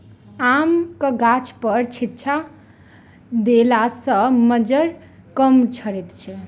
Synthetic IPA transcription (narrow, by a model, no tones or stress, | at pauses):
amkəɡat͡ʃʰpəɾt͡ʃʰit̪ːt͡ʃʰa | d̪elasə̃məd͡ʒəɾ | kəmt͡ʃʰəɾet̪t͡ʃʰɛ